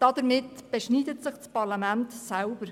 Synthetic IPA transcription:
d̥ɑd̪əɾmɪtːb̥ɛʃniːdətsɪχt͡spɑɾlɑmæntsælb̥əɾ

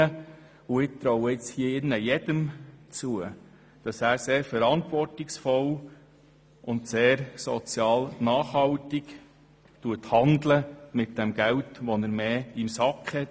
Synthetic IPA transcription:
ə | ʊɪk̚t̪ɾɔwəɪt͡shiəɪnːəjɛd̥əmt͡suə | d̥ɑsæːɾseːɾfəɾɑntʋɔrtɪksfɔl | ʔʊnt̪seːɾsɔ̰t͡sjɑːlnɑːχhɑltɪk | tuəthɑndləmɪt̚d̥ɛmɡ̥æwtʋɔnəɾmeːimsɑkχhɛt

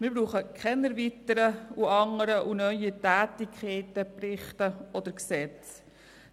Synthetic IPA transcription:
mɪɾbɾuːχəkʰχɛnɛɾvitəɾəuɑŋəɾəʔunœʏətæːtɪkχɛɪtəprɪχtəɔd̪əɾksɛt͡s

